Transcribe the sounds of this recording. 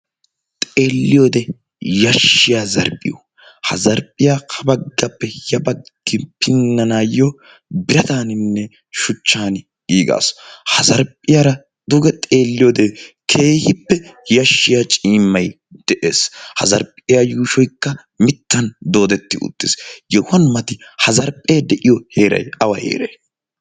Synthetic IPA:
t̪ʼe̞ːlːɪjoːd̪ɛ | jɐʃːɪjaːzɐɾpʼːɪ̰jo̰ | hɐzɐɾpʼɪjaːkʰɐbɐɡːɐpːɛjɐbɐɡ̥ːɪpɪnːɐnaːjo | bɪɾɐt̪aːnɪnːɛ | ʃʊt͡ʃːaːn | iːɡa̰ːshɐzɐɾpʼːɪjaːɾɐ | d̪ʊɡɛt̪ʼe̞ːlːɪjod̪eːkʰe̞ːhɪpːɛjɐʃːɪjat͡ʃʼiːmːɐj | d̪̥ɛʔeːshɐ̰zɐɾpʼːɪjajuːʃɔjkːɐ | mɪt̪ːɐnd̪o̞ːd̪ɛt̪ːɪʔʊ̰t̪ːɪsjɛhʊhɐnmɐt̪ɪhɐzɐɾpʼeːd̪ɛʔɪjɔheːɾɐ̰jɐwɐhḛːɾɐj

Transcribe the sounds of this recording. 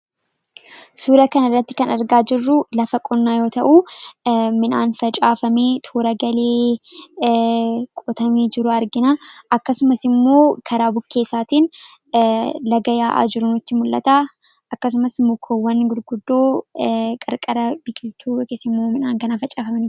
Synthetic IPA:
suːɾɐkɐnɐrːɐt̪ːɪ̥kɐnɐɾɡaːd͡ʒɪrːʊlɐfɐkʼɔnːaːjo̞ːt̪ɐʔu | mɪnaːnfɐt͡ʃʼaːfɐme̞ːt̪ʰoːɾɐɡɐleː | kʼɔt̪ɐmeːd͡ʒɪɾʊɐɾɡɪnaʔɐkːɐsʊmɐsɪmːo̞ːkʰɐɾaːbʊkːe̞ːsaːt̪iːn | lɐɡɐjaːʔa̰ːd͡ʒɪɾʊnʊt̪ːɪmʊlːɐ̰t̪aː | ʔɐkːɐs̬ʊmɐsɪmːoːkʰɔwːɐnɡʊd̪ɡʊd̪ːo̞ːkʼɐɾkʼɐɾɐb̥ɪkʼɪlt̪ʰuːjkeːsːɪmːoːmɪnaːŋkɐnafɐt͡ʃʼaːfɐmɐnɪ

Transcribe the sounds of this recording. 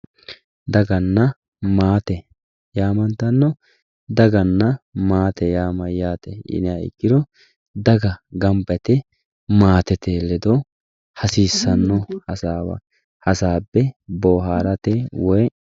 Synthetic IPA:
d̪ɐɡɐnːɐ | maːt̪ɛ | jaːmɐnt̪ɐnːɔ | d̪ɐɡɐnːɐmaːt̪ɛjaːmɐjaːt̪ɛ̰ʔɪ̰nɛaɪ̰kʼːɪd̪ɔ | d̪ɐɡɐɡɐmbɛt̪ɛ | maːt̪ɛt̪eːlːɛd̪ɔ | hɐsiːsːɐnːɔhɐsaːwɐ̰ | hɐsaːbːɛboːɦaːɾɐt̪ɛwɔj

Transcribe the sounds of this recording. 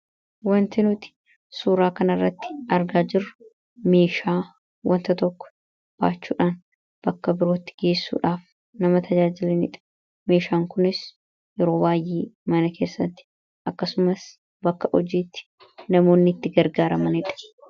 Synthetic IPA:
wɐnt̪ɪnʊt̪ɪ̥ | suːɾaːkɐnɐrːɐt̪ːɪ̥ʔɐɾɡaːd͡ʒɪrʊ | me̞ːʃaː | wɐnt̪ɐt̪ɔkːɔ̥ | b̥a̰ːt͡ʃːṵːᶑaːn | b̥ɐkːɐbɪɾo̞ːt̪ːɪ̥ɡe̞ːsːṵːᶑaːf | nɐmɐt̪ʰɐd͡ʒaːd͡ʒɪlɛnɪ̰ᶑɐ̥ | me̞ːʃaːŋkʊnɪs | jɛɾo̞ːbaːjʔeːmɐnɐkʰe̞ːsːɐt̪ːɪ̥ | ʔɐkːɐsʊmɐs | bɐkːɐʔɔd͡ʒiːt̪ːɪ̥ | nɐmo̞ːnːɪt̪ːɪɡɐɾɡaːɾɐmɐnɪᶑɐ̥

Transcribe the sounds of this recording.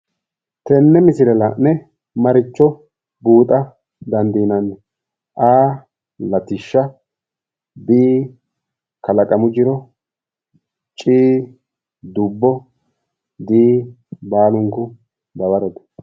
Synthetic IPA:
t̪ɛnːɛmɪsɪɾɛlɐʔnɛ | mɐɾɪt͡ʃːɔ | buːt̪ʼɐ | d̪ɐnd̪iːnɐnːɛ | ʔaː | lɐt̪ɪʃːɐ | d̪iː | kɐlɐkʼɐmʊd͡ʒɪɾɔ | t͡ʃʼiː | d̪ʊbːɔ | d̪iː | baːlʊŋkʊ | d̪ɐbɐɾɛt̪ɛ̥

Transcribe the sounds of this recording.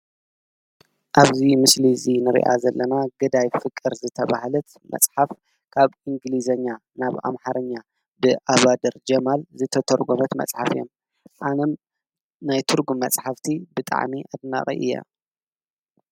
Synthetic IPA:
ʔaβzimɨslizinɨɾḭʔa̰zɐlːɐnaɡɨd̪ajfɨkʼːɨɾzɨt̪ʰɐβahalɐt̪ | mɐ̰t͡sʼħaf | kʰaβʔiŋɡlizɐɲːa | naβa̰mħaɾɐɲːa | bɨʔaβad̪ɐɾd͡ʒɐmalzɨt̪ʰɐt̪ʰɐɾɡomɐt̪mɐ̰t͡sʼħafɨjo̰m | ʔanɐm | najt̪ʰɨɾɡumːɐt͡sʼħaft̪ʰibɨt̪ʼa̰ʕmiʔad̪na̰χʼḭʔɨ̰jːa̰

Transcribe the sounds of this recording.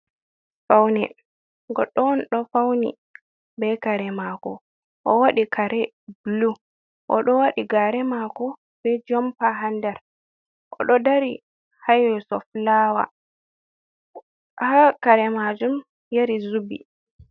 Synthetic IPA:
fawnɛ̰ | ɡɔɗːɔnɗɔfawnḭ | bɛkaɾɛmakɔ | ʔɔwaɗikʰaɾɛ | blu | ʔɔɗɔwaɗiɡaɾɛmakɔ | bɛd͡ʒɔmpaɦandɛɾ | ʔɔ̰ɗɔdaɾi | hajwɛsɔflawa̰ | hakaɾɛmad͡ʒum | jaɾizubḭ

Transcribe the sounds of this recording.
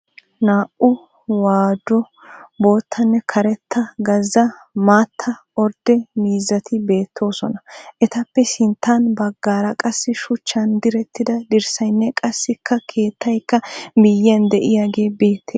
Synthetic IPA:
naːʔʊ | waːd̪ɔ | bo̞ːt̪ʰːɐnːɛkʰɐɾɛt̪ʰːɐɡɐzːɐ | maːt̪ʰːɐ | ɔɾd̪ɛmiːzːɐt̪ʰɪbe̞ːt̪ːo̞ːsɔnɐʔɛt̪ɐpːɛsɪnt̪ːanbɐɡːaːɾɐkʼɐsːɪʃʊt͡ʃːɐnd̪ɪɾɛt̪ʰːɪd̪ɐd̪ɪɾsɐjnːɛkʼɐsːɪkʰːɐkʰe̞ːt̪ʰːɐjkːɐmɪjːɪɐnd̪ɛʔɪjaːɡe̞ːbe̞ːt̪ʰːe

